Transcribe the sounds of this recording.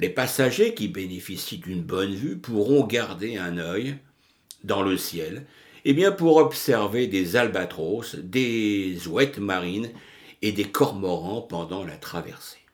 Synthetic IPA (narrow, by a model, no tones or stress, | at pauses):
lepasaʒekʲibenefisid̪ynbɔnvypuʁɔ̃ɡaʁd̪eɛ̃nœj | d̪ɑ̃ləsjɛl | ebjɛ̃puʁɔbsɛʁved̪ezalbat̪χosd̪ezwɛt̪maʁin | ed̪ekʰɔʁmɔʁɑ̃pɑ̃d̪ɑ̃lat̪χavɛ̰ʁse̥